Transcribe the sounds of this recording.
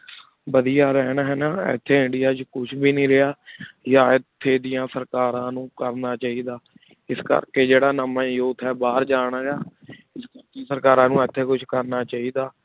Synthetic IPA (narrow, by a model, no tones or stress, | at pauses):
bəd̪ijaːɾɛːnaɦɛːnaːɛ̰t̪ʰːeːɪɳɖɪjaːt͡ʃkʊt͡ʃʰbiːnĩːɾɪaːjãːɪt̪ʰːeːd̪ɪjãːsəɾkaːɾãːnũːkəɾnaːt͡ʃaːiːd̪aː | ɪskə̰ɾkeːd͡ʒeːɽaːnəmaːjoːt̪ʰɛːbaːɾd͡ʒaːɽ̃aːɾaː | ɪskəɾk̪isəɾkaːɾãːnũːɛt̪ʰːeːkʊt͡ʃʰkəɾnaːt͡ʃaːiːd̪aː